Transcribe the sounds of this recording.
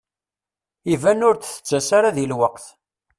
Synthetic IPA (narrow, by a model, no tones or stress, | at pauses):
ivænʊɾθθə̥t͡sːæsaɾaðilwəqθ